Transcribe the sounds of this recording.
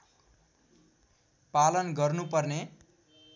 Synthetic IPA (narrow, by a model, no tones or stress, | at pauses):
palʌnɡʌrnupʌrne